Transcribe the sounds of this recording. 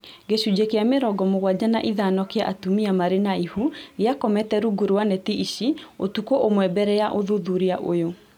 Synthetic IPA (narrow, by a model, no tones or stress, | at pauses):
ɡeɕud͡ʑekeameɾɔɡɔmoɣwad͡ʑanaʔiðanɔkeaʔatumiamaɾenaihuɾeakɔmɛtɛɾuɡuɾwanetiʔiɕiotukoʔomwɛbɛɾɛjaʔoðuðuɾiaʔo̰jo